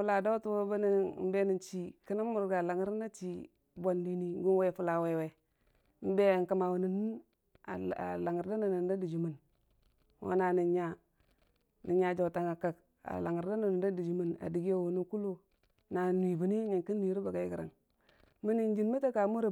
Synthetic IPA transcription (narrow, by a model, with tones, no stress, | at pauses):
u˦la˨do˦tu˦wo˦ba˦ni˦˨m̩˦be˦ni˨nt͡ʃi˦ki˦na˦mu˨ɾɡa˨la˨ŋi˦ɾna˦t͡ʃi˦ | ba˨ndi˦ni˦ɡu˦nwe˦˨fu˦la˨we˨we˨˦ | be˦˨ŋ˨ka˨˦ma˨wu˨ni˨n˦ | a˨a̰˨la˨ŋi˨ɾda˦na˨na˨n˦da˦di˨d͡ʒu˨mu˨n | wo̰˦na˨ni˨ɲa˨ | ni˨ɲa˨d͡ʒo˨ta˨ŋa˨ka˨k | a̰˨la˨ŋi˨ɾda˦na˨n˨da˦di˨d͡ʒu˨mu˨na̰˨di˨ɡi˦a˦˨wu˨nu˦ku˦lu˦ | na˨n˨i˨bi˨ni˦ɲa˨ŋki˦n˦wi˨ɾi˦ba˨ɡa˨ji˦ɡi˨ɾa̰˨ŋ | mi˦ni˨n˦d͡ʒi˨nmi˦ta˦ka˨mu˦ɾa˨